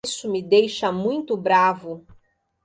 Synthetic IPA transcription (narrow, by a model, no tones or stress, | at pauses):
sʊmɪd̪ejʃɐmũj̃t̪ʊbɾavʊ